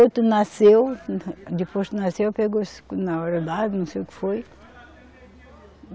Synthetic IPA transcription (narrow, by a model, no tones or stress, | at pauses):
ot̪ʊnasewd̪ipoʃt̪nasewpeɡosnaɔɾɐd̪ad̪nɐ̃w̃sejʊkɪ̥foj